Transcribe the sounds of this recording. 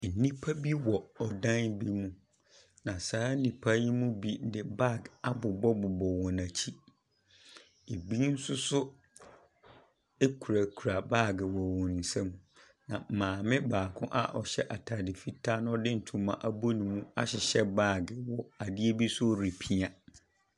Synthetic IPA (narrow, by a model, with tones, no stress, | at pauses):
n̩˨nĩ˦pʰa˦bi˦wɔ˨ɔ˨dã˦nbi˦mũ˦ | nã˨saː˨˦n̩˦nĩ˨pʰa˦ji˦mũ˦bi˦dɪ˦ba˦˨ɡa˦bʊ˨bɔ˦bʊ˨bɔ˨wɔ̃˨nã˨t͡ɕʰi˦ | e˨bi˦n̩˦sʊ˦sʊ˦ | e˦kʰu˨ɾa˨kʰu˨ɾa˨ba˦˨ɡɪ˨wɔ˨wɔ̃˨n̩˨sɛ̃˦m | nã˨mãː˨mɪ̃˦baː˨kʰʊ̃˦ʔa̰˦ʔɔ˨ɕɛ˦ʔa˨tʰa˨dɪ˨fi˦tʰa˦nʊ̃˦ɔ˦dɪ̃˦n̩˨tʰũ˨˦mã̰˨ʔa˦bo˦nĩ˨mũ˦a̰˦ɕɪ˨ɕɛ˦baː˦˨ɡɪ˨wɔ˨a˨dɪ˦e˦bi˦sʊ˦o˨ɾi˨pʰi˦a˨